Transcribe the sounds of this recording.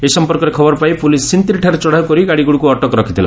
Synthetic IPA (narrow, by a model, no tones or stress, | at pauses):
esɔmpɔɾkɔɾekʰɔbɔɾɔpajpulissint̪iɾiʈʰaɾet͡ʃɔɽ̤aukɔɾiɡaɽiɡuɽukuɔʈɔkɔɾɔkʰit̪ʰila̰